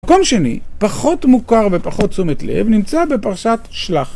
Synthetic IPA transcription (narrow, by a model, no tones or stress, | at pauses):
ko̞mʃe̞nḭpaχo̞tmukaʁve̞paχo̞t̚t͡sumetle̞̰vnimt͡sabe̞paʁaʃatʃlaχ